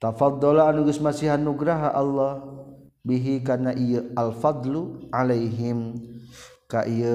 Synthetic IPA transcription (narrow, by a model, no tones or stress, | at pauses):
t̪afɑd̪ˤːɔlaanuɡəsmasiɦanuɡɾaɦaʔalːɑh | biɦikanaʔijəʔalfɑd̪ˤluʕalajɦɪm | kaʔiə